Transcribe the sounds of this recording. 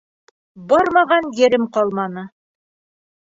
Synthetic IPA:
bɒɾmɑʁɑnjɘ̆ɾɘmqɒlˠmɑnɤ

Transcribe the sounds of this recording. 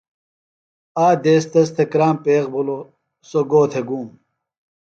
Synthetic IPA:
aːd̪eːst̪ɐs̬t̪ʰekɾaːmpeːqbulo | soɡoːt̪ʰeɡuːm

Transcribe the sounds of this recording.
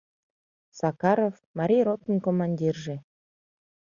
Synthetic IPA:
sɑkɑɾofmɑɾʲijrot̪ə̆nkomɑnʲdʲirʒe

